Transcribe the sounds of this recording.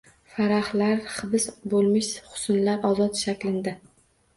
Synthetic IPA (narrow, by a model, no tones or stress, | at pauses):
faɾaχlaɾχɨbɪsbolˠmɪʃχʊ̥sʊnlaɾɒzɒt̪ʃakʲlɪnd̪ɪ